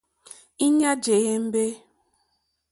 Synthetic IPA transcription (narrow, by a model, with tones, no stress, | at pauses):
i˦ɲa˦d͡ʒe˨ɣe˦m̩˦be˦